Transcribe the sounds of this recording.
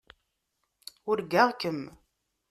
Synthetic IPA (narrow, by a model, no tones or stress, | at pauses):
ʊɾɡaʁkəm